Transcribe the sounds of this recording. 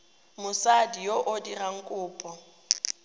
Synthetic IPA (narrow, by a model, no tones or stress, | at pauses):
mʊsadijoʔodiraŋ̩kʼʊːpʼɔ